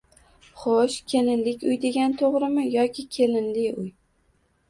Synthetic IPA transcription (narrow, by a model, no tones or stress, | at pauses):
χoʃkʲʰe̞lɪnlɪkʲʊjd̪e̞ɡʲant̪ʰoʁɾɪmɪjɒkʲʰɪkʲʰelɪnlɪʊj